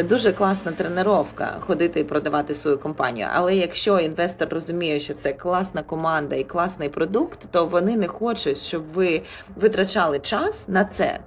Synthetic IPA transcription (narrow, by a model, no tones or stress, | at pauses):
ɛd̪uʒɛklˠɑsnɐt̪ɾeneɾɔwkɐ̰xɔd̪ɪt̪ɪipɾɔd̪ɐʋɑt̪ɪsʋɔjukɔmpɑ̰nʲḭjʊ̰ʔɐ̰lˠɛjɐkʃt͡ʃɔinʋɛst̪ɔrːɔzʊmʲijʊʃt͡ʃɔt̪sɛklˠɑsnɐkɔmɑnd̪ɐiklˠɑsnɪjpɾɔd̪ukt̪ːɔʋɔnɪnɛxɔt͡ʃʊtʲʃt͡ʃɔbʋɪ | ʋɪt̪ɾɐt͡ʃɑlˠɪt͡ʃɑsnɐt̪sɛ̰